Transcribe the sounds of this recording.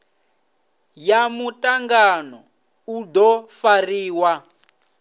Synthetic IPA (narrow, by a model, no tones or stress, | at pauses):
jamutʼaŋɡanɔ | ud̪ɔfariːwa